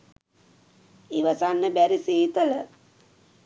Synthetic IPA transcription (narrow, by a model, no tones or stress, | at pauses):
iʋəsanːəbæɾiseːt̪ələ